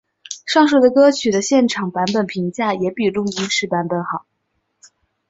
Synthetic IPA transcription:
ʂɑ˥˧ŋʂ̬o˥˩d̪ə˩kɤ˥t͡ɕʰy˨˩d̪ə˦ɕjɛ˥˩nʈ͡ʂʰɑ˨˩ŋpa˧˥npə˨˩npʰi˧˥ŋt͡ɕja˥˩jɛ˨˧˥pi˨˩ʈ͡ʂʊ˥˩ŋi˧˥nʂɻ̩˧˥pa˧˥npə˨˩˦nxɑ˨˩˦

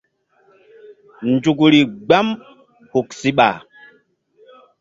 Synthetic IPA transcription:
nd͡ʒu˨ku˨ɾi˨ɡ͡ba˦m | hu˨ksi˦ɓa̰˨

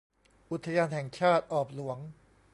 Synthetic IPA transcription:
ʔu˨˩t̪ʰːa˧jaː˧nɦɛ˨˩ŋt͡ɕʰaː˥˩t̪̚ʔɔː˨˩p̚lu˨˩˦əŋ

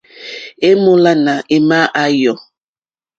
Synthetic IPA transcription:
e˦mo˦la˦na˨ʔe˨ma˦ʔa˦jɔ˨

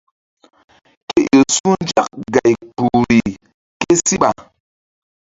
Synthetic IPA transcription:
ke˦ʔo˨su˦nd͡ʒa˦k̚ɡa˨jpu˨ɾi˨ | ke˦si˦ɓa̰˨

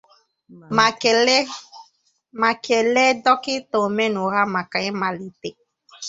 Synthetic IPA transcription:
mã˨kɛ˨lɛ˦dɔ˦kɪ˦t̪o˨mɛ̃˦nũ˨ɣa˦mã˨ka˨ɲɛ˦mã˨li˨t̪e˨

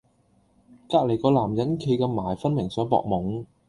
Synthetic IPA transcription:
kaː˧k̚le˨˩jkɔː˧laː˨˩mjɐ˨˥nkʰe˧jkɛː˧maː˨˩jfɐ˥nmɪ˨˩ŋsœː˨˥ŋpɔ̰ː˧k̚mʊ˨˩ŋ

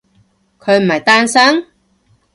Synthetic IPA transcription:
kʰɵ˨˧ɥm̩˨˩hɐ˨˩jt̪aː˥nsɐ˥ŋ

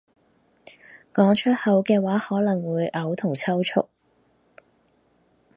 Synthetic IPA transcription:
kɔː˨˥ŋt͡ʃʰɵ˥t̚hɐ˨˧wkɛː˧waː˨˥hɔː˨˥lɐ˨˩ŋwuː˨˧jʔɐ˨˧wt̪ʰʊ˨˩ŋt͡sʰɐ˥wt͡ʃʰʊ̰˥k̚

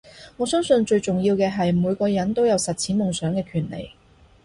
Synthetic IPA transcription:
ŋɔː˨˧sœː˥ŋsɵ˧nt͡ʃɵ˧ɥt͡sʊ˨ŋjiː˧wkɛː˧ɦɐ˨jmuː˨˧jkɔː˧jɐ˨˥nt̪o˥wjɐ˨˧wsɐ˨t̚t͡sʰiː˨˥mʊ˨ŋsœː˨˥ŋkɛː˧kʰyː˨˩nlḛ˨˩j

